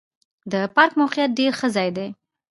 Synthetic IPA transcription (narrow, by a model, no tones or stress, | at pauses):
d̪əpɑɾkmawqijat̪̚ɖeɾxəzɑjd̪e